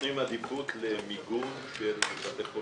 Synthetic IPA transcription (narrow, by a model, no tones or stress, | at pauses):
imad̪iput̪lemiɡun | ʃelat̪eχo